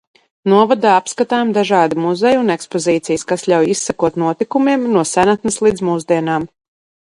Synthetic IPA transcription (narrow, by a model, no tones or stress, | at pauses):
nuɔvad̪aːapskat̪aːmd̪aʒɑːd̪imuzɛjunekspɔziːt̪sijskasʎʲawjisːakuɔt̪nuɔt̪ikumiɛmnuɔsænat̪nɨslˠiːd̪zmuːzd̪iɛnaːm